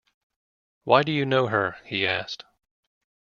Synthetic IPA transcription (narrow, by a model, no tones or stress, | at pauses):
waɪdɨjɨnoʊə˞hiæst